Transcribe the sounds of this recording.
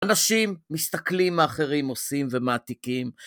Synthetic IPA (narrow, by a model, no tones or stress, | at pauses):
anaʃimːist̪aklimaːχeʁimo̞simvemaːt̪ikim